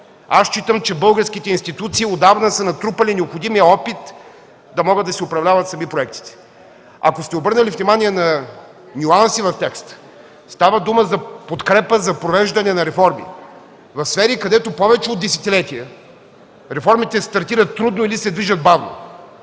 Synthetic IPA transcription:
ast͡ʃit̪əmt͡ʃɛbɤlˠɡəɾskit̪ɛinst̪it̪ut̪siːod̪avnəsənɐt̪ɾupəlinɛopxod̪imijəɔpit̪ | d̪ɐmɔɡəd̪ɐsiʊpɾɐvlʲavɐt̪sɐmipɾoɛk̚t̪i̥t̪ɛ̥ | ɐ̰kost̪ɛobɤɾnəlifnʲimaniɛnɐ | nʲuansivɐft̪ɛkst̪ | st̪avəd̪uməzɐpot̪kɾɛpəzɐpɾovɛʒd̪ɐnɛnɐɾɛfɔɾmḭ | vɐfsfɛɾikɐd̪ɛt̪opɔvɛt͡ʃɛod̪ːɛsɛ̥t̪ilɛt̪iɛ | ɾɛfɔɾmit̪ɛst̪ɐɾt̪iɾət̪ːɾud̪noilisɛd̪viʒəd̪̚bavno̰

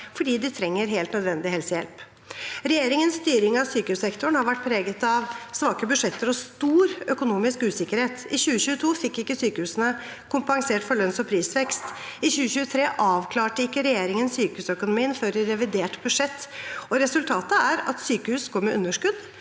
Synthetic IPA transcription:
fɔɖiːd̪ɪt̪ʰɾɛŋːəɾɦeːlt̪nœd̪ʋɛnd̪ɪhɛlsəjɛ̰lp | ɾɛjeːɾɪŋənsst̪yːɾɪŋɑʋsyːkəʉːsɛkt̪ʊəɳhɑɾʋæʈ̚ːpʰɾeːɡət̪ɑʋsʋɑːkəbʉʂɛt̪ːəɾɔst̪uːɾœkʊnuːmɪskʉːsɪkːəɾheːt̪ɪɕʉːəɕʉːət̪ʰuːfɪkːɪkːəsyːkəhʉːsənə | kʰʊmpɑŋseːʈfɔɭœnsɔpʰɾiːsʋɛkst̪ɪɕʉːəɕʉːət̪ʰɾeːʔɑːʋkʰlɑːʈəɪkːəɾɛjeːɾɪŋənsyːkəhʉːsœkʊnʊmiːənføɾɪɾɛʋɪd̪eːʈbʉʂɛt̪ːɔɾɛsʉlt̪ʰɑːt̪əæɾɑ̰t̪syːkəhʉːskʰɔɾmːəʔʉnːəʂkʉd̪

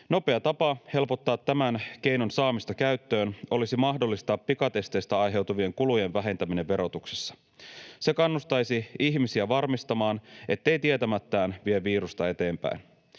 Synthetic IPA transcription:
no̞pe̞ɑt̪ɑpɑhe̞lpo̞t̪ːɑːt̪ːæmænk̟e̞jnonsɑːmist̪ɑkæɥt̪ːø̞ːno̞lisimɑɦdolːist̪ɑːpːikɑt̪e̞st̪e̞jst̪æɑjɦe̞wt̪uʋie̞ŋkuluje̞ʋʋæɦe̞nt̪æmine̞ʋʋeɾo̞t̪ukse̥sːɑ̥ | se̞kɑnːust̪ɑjsiiçmisiæʋɑrmist̪ɑmɑːnet̪ːe̞jt̪iet̪æmæt̪ːæːnʋieːiːɾust̪ɑe̞t̪e̞ːmpæ̰in

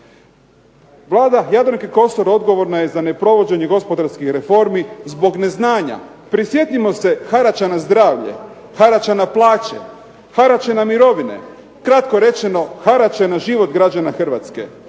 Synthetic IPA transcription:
ʋlˠaːd̪ajad̪ɾoŋkeko̞soɾo̞d̪ɡo̞ʋo̞ɾnajezane̞pɾo̞ʋo̞d͡ʑe̞ɲeɡo̞spo̞d̪aɾskixɾe̞fo̞ɾmizbo̞ɡne̞znaːɲa̰ | pɾisje̞t̪imo̞se̞xaɾat͡ɕanazd̪ɾaːʋʎḛ | xaɾat͡ʃanaplˠaːt͡ɕḛ | xaɾat͡ɕanamiɾo̞ʋinḛ | kɾat̪ko̞ɾe̞t͡ʃe̞no̞xaɾat͡ʃanaʒiʋo̞t̪ɡɾad͡ʑanaxr̩ʋa̰t̪skḛ

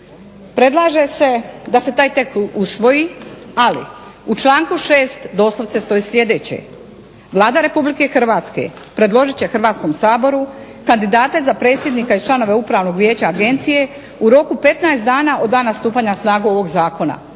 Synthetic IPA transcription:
pɾe̞d̪lˠaːʒe̞se̞d̪ase̞t̪aːjt̪e̞kusʋo̞jialḭut͡ʃlˠaːŋkuʃeːst̪d̪o̞ːslˠoʋt̪se̞st̪o̞islʲʎʲe̞d̪e̞ːt͡ɕḛ | ʋlˠaːd̪aɾe̞publike̞xr̩ʋaːt̪ske̞̰pɾe̞d̪lo̞ʒit͡ɕe̞xr̩ʋaːt̪sko̞msaːbo̞ɾu | kand̪id̪aːt̪e̞zapɾe̞ːt̪sʲjed̪nikaizt͡ʃlano̞ʋe̞upɾaːʋno̞ɡʋje̞ːt͡ɕaːɡe̞nt̪sije̞ | uɾo̞kupe̞t̪naest̪d̪aːnaʔo̞d̪aːnːast̪uːpaːɲasnaːɡuo̞ʋo̞ɡzaːko̞na̰

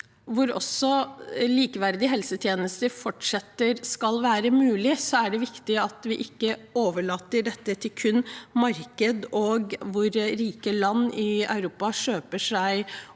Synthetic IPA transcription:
ʋʊɾɔ̰sːɔliːkəʋæɾd̪ɪɦɛlsət̪ʰjeːnəst̪əfɔʈʂɛt̪ːəɾskɑlʋæːɾəmʉːlɪsɔæɖɛʋɪkt̪ɪɑt̪ʋɪʔɪkːəoːʋəɭɑːt̪ːəɖɛt̪ːət̪ʰɪlkʰʉnːmɑɾkəd̪ɔɡʋʊɾɾiːkəlɑnːɪɑ̰ʉɾuːpɑʂøːpəʂæɪ

